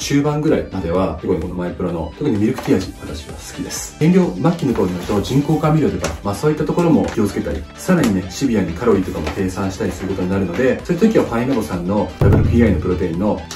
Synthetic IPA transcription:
ɕɨːbãŋɡɯ̟ɾaimad̪e̞βat̪okɯ̟ɲ̟ikono̞maipɯɾo̞no̞t̪o̞kɯ̟ɲ̟imʲiɾɯ̟kɯ̥t̪ʲiaʑikat̪at͡ɕiβa̰sɨ̥kʲid̪e̞sɨ̥eŋɡʲo̞ːmakʲːinot̪oːɲinaɾɯ̟t̪o̞ʑĩŋko̞ːkamʲiɾot̪o̞ka̰maːso̞ːit̪ːat̪o̞ko̞ɾo̞mo̞kʲio̞t͡sɨ̥ke̞t̪aɾʲḭsaɾaɲ̟ine̞ɕibʲiaɲ̟ikʰaɾo̞it̪o̞kamo̞t̪e̞ːsãɰ̃ɕi̥t̪aɾʲisɨɾɯ̟kot̪o̞ɲ̟inaɾɯ̟no̞d̪e̞so̞jit̪ːat̪ok̬ʲiβ̞aɸainobo̞sãnːo̞ɾabɯ̟ɾɯkɯ̟iainopɯ̟ɾo̞t̪e̞ĩnːo̞

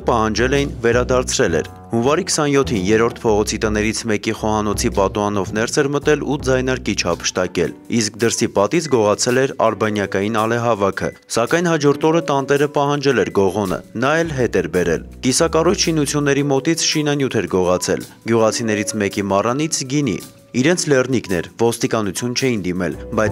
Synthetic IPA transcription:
pɑɦɑnd͡ʒɛlɛjinvɛɾɑd̪ɑɾt͡sʰɾɛlɛ̰ɾ | hunvɑɾikʰə̥sɑnjɔt̪ʰinjɛɾɔɾt̪ʰpʰɔʁɔt͡sʰit̪ənɛɾit͡sʰmɛkiχɔhɑnɔt͡sʰipɑt̪ɔɑnɔvn̪ɛɾt͡sʰɛɾmət̪ɛlud͡zɑjnɑɾkit͡ʃʰɑpʰə̥ʃt̪ɑkɛ̰lisk̚d̪əɾsipɑt̪it͡sʰɡɔʁɑt͡sʰɛlɛɾɑ̰ɾbɑnjɑkɑjinɑlɛɦɑvɑkʰə̰ | sɑkɑjn̪hɑd͡ʒɔɾt̪ɔɾət̪ɑnt̪ɛɾəpɑɦɑnd͡ʒɛlɛɾɡɔʁɔnə̰nɑɛlɦɛt̪ɛɾbɛɾɛ̰l | kisɑkɑrujt͡ʃʰʃinut͡sʰjunːɛɾimɔt̪it͡sʰʃinɑnjut̪ʰɛɾɡɔʁɑt͡sʰɛ̰l | ɡjuʁɑt͡sʰinɛɾit͡sʰmɛkimɑrɑnit͡sʰɡinḭ | iɾɛnt͡sʰlɛrniknɛ̰ɾvɔst̪ikɑnut͡sʰjunt͡ʃʰɛjind̪imɛlbɑjt͡sʰ

